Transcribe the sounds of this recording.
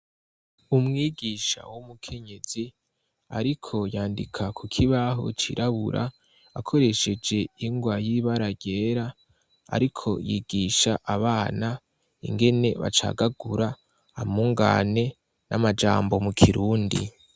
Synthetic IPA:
umŋiːɡiːʃa̰wumukʰe̞ɲe̞z̥i | a̰ɾikʰo̞jaːndikʰakʰukʰiβaɦo̞̰t͡ʃiɾʔaβṵɾʔa̰ | akʰo̞ɾe̞ʃe̞d͡ʒe̞iŋɡwajiβaɾaɟe̞ːɾa | a̰ɾikʰo̞̰jḭːɡ̥iʃaʔaβaːna | ḭŋɡe̞ne̞βa̰t͡ʃa̰ːɡaɡ̥uɾaː | muŋɡa̰ːne̞ | nʔa̰mad͡ʒa̰ːmbo̞mukʰiɾuːndḭ

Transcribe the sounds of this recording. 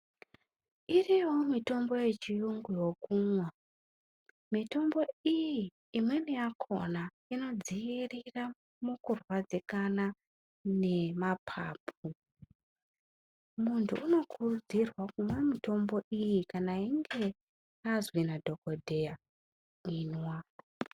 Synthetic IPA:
iriwo̞mito̞mbo̞je̞t͡ʃijuŋɡujo̞kumwa | mito̞mbo̞ijiː | mwe̞nijakʰo̞̰na | ino̞d͡zijirira | mukurwad͡zikana | ne̞mapʰa̰ːpʰu | muntʰṵʔːno̞kʰurud͡zirwakumwamito̞mbo̞ʔijikanaiŋɡe̞ | azwinadʱo̞ko̞dʱeja | inwa

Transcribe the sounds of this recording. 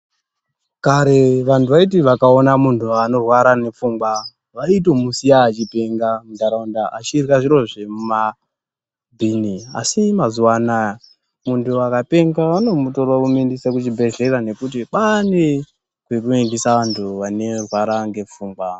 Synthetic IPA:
kaɾe̞ʋantʰuʋait̬iʋakaonamuntuano̞rwaɾane̞p͡fuːmɡwa | ʋait̬o̞musijaːt͡ʃipeŋɡamudaɾaundaʔa̰t͡ʃirwaʐiɾo̞ʐemuma | bʱinia̰simazuwana | muntʰuakape̞ŋɡaʋano̞mutorwakumindisakut͡ʃibʱe̞ɮe̞ɾane̞kut̬iɓane | kwekuendisaʋantʰuʋane̞rwaɾaŋɡe̞p͡fuːŋɡwa

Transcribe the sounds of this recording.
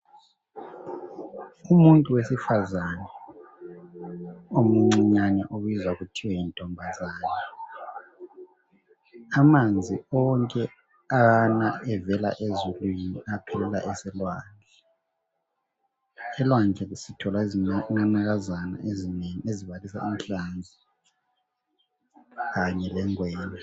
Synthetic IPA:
umuntʼuwesifazanɛ | omuŋ͡ǀiɲanɛʔoβizwaɣutʰiwɛjintʼɔmbʱazaːnʰɛ | amand͡zʱiɔŋkʼɛ | aɣanaɛvɛla̰ʔezulwiniapʰɛlɛla̰ʔɛsɛlwaːnd͡ɮʱɛ | ɛlwand͡ɮʱɛsitʰɔlaizinanaɣazana̰ezineŋeziβalisa̰inɬand͡zʱi | ɣaɲɛlɛŋwɛːɲa

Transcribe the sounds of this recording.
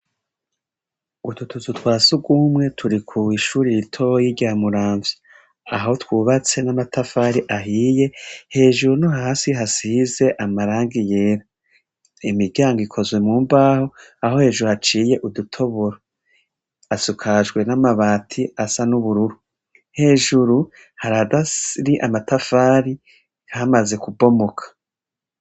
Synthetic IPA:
ututututwaːsuɡumŋe̞tʰuɾikʰuiʃuːɾiɾitʰo̞jiɾɟaːmuɾaːɱvi | aɦo̞twuːβat͡se̞namatʰafaɾiʔaɦiːje̞he̞ːʒuɾunoɦaːsiɦasize̞ʔamaɾaːŋɡijeːɾa | imibɟaːŋɡikʰo̞zwe̞muːmbaːho̞aho̞he̞ːʒuɾuhat͡ʃiːje̞ʔudutʰo̞βoɾo | asukʰaʒɡwe̞namaβaːtʰiasanuβuɾuɾu | he̞ːʒuɾu | haɾadaɾiʔamatafaːɾi | hamaze̞kubo̞mo̞kʰḁ

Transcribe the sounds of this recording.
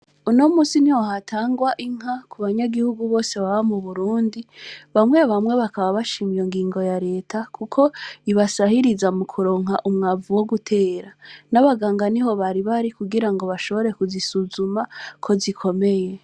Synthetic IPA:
unomuːsiniwoɦatʰaːŋɡwaʔiŋ̥ɦakʰuβaɲaɡihuɡuβo̞ːse̞βaβamuβuɾuːndiβamŋe̞βamwe̞βakaβaβaʃiːmijoŋɡiːŋɡo̞jaɾe̞ːtʰakʰukʰo̞iβasahiɾizamukʰuɾo̞ːŋɦaʔumŋavuwoɡutʰe̞ːɾanaβaɡaːŋɡaniɦo̞βaɾiβaɾikuɡiɾaŋɡo̞βaʃo̞βo̞ɾe̞kuzisuzumakʰo̞zikʰo̞me̞je̞

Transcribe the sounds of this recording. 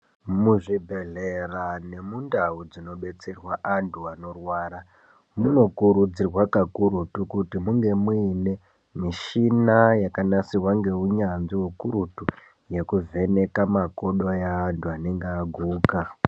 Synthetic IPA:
muʐibʱe̞ɮe̞rane̞mundaud͡zino̞ɓe̞t͡serwaʔantʰuano̞rwaːɾa | muno̞kuɾud͡zirwakakuɾutukutimuŋɡe̞mwuine̞ | miʃinajakanasirwaŋɡe̞uɲanʐiwukuɾutu | je̞kuvʱe̞ne̞kamako̞ɗo̞jaːntʰuane̞ŋɡeaɡʱuːka

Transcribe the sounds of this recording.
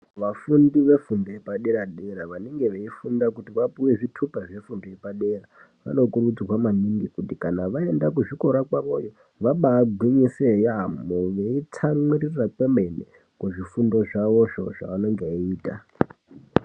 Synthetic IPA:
ʋafundiʋe̞fundojepaɗeɾaɗe̞ɾaʋaneŋɡe̞ʋeifundakutiʋapuwe̞ʐitʰupaʐefundoje̞paɗe̞ɾa | ʋa̰no̞kurud͡ziwamaniŋɡikutikanaʋae̞ndakuʐiko̞ɾakwaʋo̞jo | ʋaɓaːɡʱwiɲisejamoʋeit͡sʰamwirirrakeme̞nḛ | kuʐifundo̞ʐaʋo̞ʐoʐa̰ʋano̞ŋɡeiːta

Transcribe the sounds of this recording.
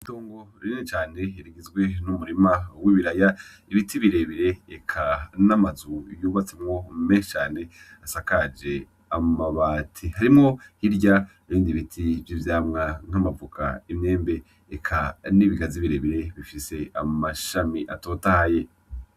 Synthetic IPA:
itoːŋɡoɾininit͡ʃaːne̞iɾiɡizɡwe̞numuɾimawiβiɾaja | iβitʰiβiɾe̞βiɾe̞ːkʰanamazujoːβat͡se̞mŋo̞meʃt͡ʃaːne̞ | asakad͡ʒe̞ | amaβaːtʰihaɾimŋo̞hiɾɟa | eβiːndiβitʰivjivjaːmŋaŋ̥amavukʰa̰imɲe̞ːmbe̞ː | kʰaniβiɡaziβiɾe̞βiɾe̞βifise̞amaʃamiʔatoːtahaje̞

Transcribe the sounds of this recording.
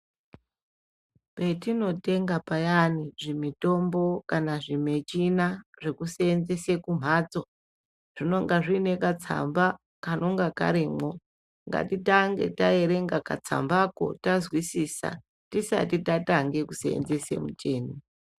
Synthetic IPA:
pe̞tino̞te̞ŋɡapajaniʐimito̞mbo̞kanaʐime̞t͡ʃinaʐekuseːnzese̞kum̤ʱaːd͡zo̞ | ʐ̥ino̞ŋɡaʐine̞kat͡sʰa̰mba | kanʔo̞ŋɡaka̰ɾiːmo̞ | ŋɡa̰titaŋɡe̞̰taje̞ɾe̞ŋɡakat͡sa̰mbako̞̰tazwisisa̰ | tisa̰titataŋɡe̞kuseḛnze̞se̞̰mut͡ʃeːni

